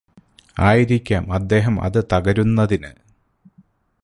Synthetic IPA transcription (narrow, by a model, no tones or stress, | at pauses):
aːjiɾikʲːaːmɐd̪ːe̞ːɦɐmɐ̰ðɨt̪ɐɣɐɾunːɐðinɨ